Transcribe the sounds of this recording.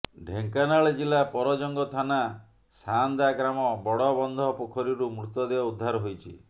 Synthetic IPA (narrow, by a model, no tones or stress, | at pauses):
ɖʱeŋkanaɭed͡ʒilapɔɾɔd͡ʒɔŋɡɔt̪ʰana | sand̪aɡɾamɔbɔɽɔbɔnd̪ʱɔpokʰɔɾiɾumɾut̪ːɔd̪ebaud̪ʱːaɾɔɦojt͡ʃʰi